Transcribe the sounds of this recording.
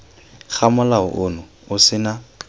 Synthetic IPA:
χamʊlaʊ̰ʔʊnʊ | ʊsɪna

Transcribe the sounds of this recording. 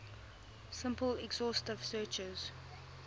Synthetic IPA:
sɪ̃mpəlɛɡz̥ɔˑstəv̥sɜːt͡ʃəz̥

